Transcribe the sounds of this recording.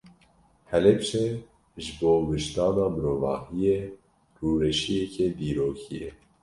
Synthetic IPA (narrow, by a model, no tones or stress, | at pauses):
hɛlɛpʃɛ | ʒɨboːwɨʃt̪ɑːnɑːmɨɾoːvɑ̰ːhijeː | ruːɾɛʃijɛkʰeːd̪iːɾoːkʰijɛ